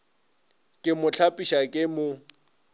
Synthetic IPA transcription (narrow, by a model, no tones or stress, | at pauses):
kʼɪmʊt͡ɬʰapʼiʃakʼɪmʊ